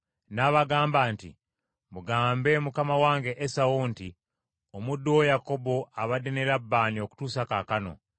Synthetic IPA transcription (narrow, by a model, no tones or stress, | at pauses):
naβaɡaːmbaːntḭ | muɡaːmbe̞mukamawaːŋɡe̞ʔesawoːnti | omudowojako̞bo̞aβadeneɾabːaːnio̞ku̥tuːsakakano̞̰